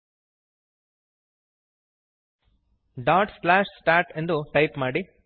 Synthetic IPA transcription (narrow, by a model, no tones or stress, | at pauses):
ɖaːʈslaːʂsʈaːɾʈe̞nd̪uʈɐjpmaːɽi